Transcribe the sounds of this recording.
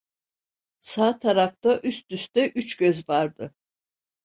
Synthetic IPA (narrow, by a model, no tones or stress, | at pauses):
saːt̪ʰaɾaft̪aʔyst̪yst̪ɛʔyt͡ʃɟøzvaɾd̪ɯ